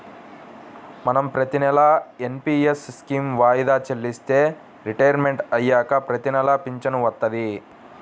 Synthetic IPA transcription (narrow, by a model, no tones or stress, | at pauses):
mɐnɐmpɾɐt̪inɛlae̞mpiːesskiːmʋaːjid̪aːt͡ʃelːist̪e̞ː | ɾiʈɐjɐɾme̞ɳʈɐjːaːkɐpɾɐt̪inɛlɐpiɲt͡ʃɐnuʋɐt̪ːɐd̪i